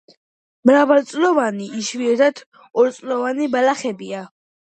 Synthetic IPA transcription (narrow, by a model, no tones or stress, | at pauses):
mɾavalt̪sʼlɔvaniʔiʃviɛɾd̪at̪ʰ | ɔɾt̪sʼlɔvanibalaχɛbia